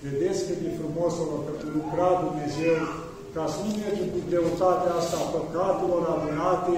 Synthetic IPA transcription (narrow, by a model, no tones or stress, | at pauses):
ved̪et̪skked̪ifɾumoselorpet̪ulukɾad̪umne̞ze̞w | kasit̪et͡ʃiput̪̚d̪ɾeut̪at̪east̪aːpəkat̪elo̞ɾanunat̪e